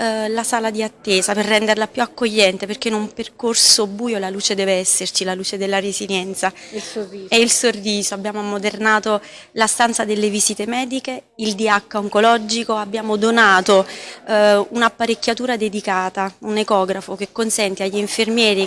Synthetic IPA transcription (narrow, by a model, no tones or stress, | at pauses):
lasaːlad̪iat̪ːeːzaperːɛnd̪eɾlapjuakːoʎːɛnt̪eperk̟ːeinumperkorsobuːjolaluːt͡ʃed̪ɛːveɛsːert͡ʃilaluːt͡ʃed̪elːaɾeziljɛnt̪sa | eilsorːiːzoabːjaːmomod̪ernaːt̪o | last̪ant̪sad̪elːeviziːt̪emɛːd̪ikeild̪iakːaoŋkolɔd͡ʒikoabːjaːmod̪onaːt̪o | unapːaɾekʲːjat̪uːɾad̪ed̪ikaːt̪aunekɔːɡɾafokekːonsɛnt̪eaʎːiiɱfermjɛːɾi